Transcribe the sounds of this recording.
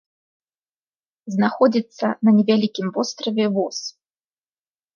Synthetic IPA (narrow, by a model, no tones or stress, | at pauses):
znaxɔd͡zʲit̪sːɐnɐnʲɛvʲalʲikʲimvɔst̪ɾɐvʲɛvɔs